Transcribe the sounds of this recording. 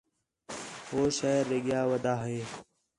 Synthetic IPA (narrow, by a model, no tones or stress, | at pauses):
ɦoːʃaːɾːeɠjaːʋəd̪ʱaːɦeː